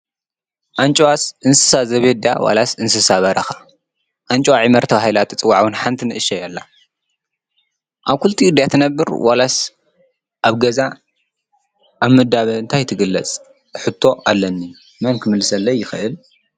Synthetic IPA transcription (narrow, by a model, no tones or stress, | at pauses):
ʔant͡ʃʼwasʔɨnsɨ̥sazɐβed̪awa̰lasɨnsɨsaβɐɾɐxḁ | ʔant͡ʃʼowaʕimɐɾt̪ʰɐβahilat̪ʰɨt͡sʼɨwːaʕwɨnħant̪ʰinɨʔɨʃɐjalːa | ʔaβkʰult̪ʰiɨd̪jat̪ʰɨnɐbːɨɾwalas | ʔaβɡɐza | ʔaβmɨd̪aβɐɨnt̪ʰajt̪ʰɨɡɨlːɐt͡sʼ | ħɨt̪ʰːo̞ʔalːɐnːi | mɐnkʰɨmɨlːɨsɐlːɐjːɪxɨʔɨl